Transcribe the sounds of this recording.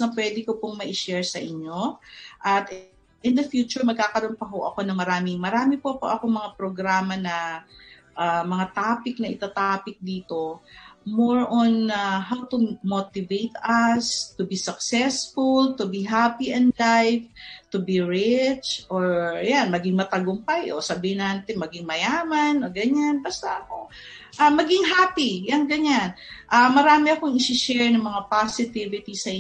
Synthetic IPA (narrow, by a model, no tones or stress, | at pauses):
nɐpwɛːd̪ɪkopoŋmɐʔɪʃɛɹsɐʔɪɲːo̞ʔɐt̪ | ʔɪnd̪ɐfjuːt͡ʃʊɹmɐɡ̚kaːkɐɾonpɐɦoʔɐko̞nɐŋmɐɾaːmɪŋmɐɾaːmɪpɐpo̰ʔɐkoŋmɐŋapɾoɡɾaːmɐnɐ | ʔamɐŋat̪aːpɪk̚nɐʔɪt̪at̪aːpɪk̚d̪iːt̪o̞moɹʔonaɦawt̪ʊmot̪ɪvejt̪ɐst̪ʊbisɐksɛsfʊlt̪ʊbiɦapiʔɛnlajvt̪ʊbiɹɪt͡ʃʔoɹjanmɐɡɪŋmɐt̪ɐɡʊmpajʔo̰sɐbiːhɪnant̪ɪnmɐɡɪŋmɐjaːmanoɡɐɲanbɐst̪aʔɐkoŋ | ʔamɐɡɪŋɦaːpijɐŋɡɐɲanʔamɐɾaːmɪɐkoŋɪsɪʃɛɹnɐŋmɐŋapasɪt̪ivɪt̪isɐʔɪ